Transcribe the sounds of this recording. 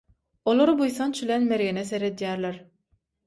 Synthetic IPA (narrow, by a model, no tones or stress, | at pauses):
olˠoɾɯbujθɑnt͡ʃʰylenmeɾɣeneseɾe̞d̪jæːɾleɾ